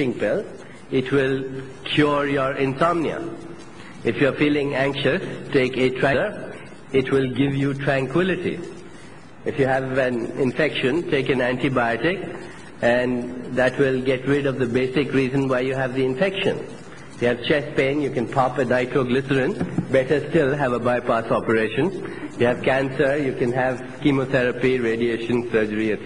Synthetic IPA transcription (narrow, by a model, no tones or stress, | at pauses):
ɪ̃ŋpɪl | ɪʈʰwɪl | kʰjɔːɹjəɾɪ̃nsɔ̃mniə̰ | ɪfjufiːlɪ̃ŋæ̃ŋkʃəstʰeːketʰɹæ̃ɾ | ɪʈʰwɪlɡɪʋjuʈʰɹæ̃ŋkʰwɪlɪʈḭ | ɪfjuɦæʋæ̃nɪ̃ɱfɛkʃə̃ntʰeːkɨ̃næ̃ntibaɪɔʈɪk | æ̃nd̪æʈʰwɪlɡɛʈɹɪɖɔʋd̪əbeːsɪkɾiːzə̃nwaɪjuɦæʋd̪iɪ̃ɱfɛkʃə̰̃n | ɪfjɨæʋt͡ʃɛspẽɪ̃njukɛ̃npʰɑpənaɪʈʰoɡlɪsəɾɪ̃nbɛʈə˞sʈɪlɦæʋəbaɪpasɔpəɾeːʃə̃njuæʋkæ̃nsəɾjukɛ̃nɦæʋ | kimoθɛɾəpiɾeːɖieːʃə̃nsəɾd͡ʒəɾiə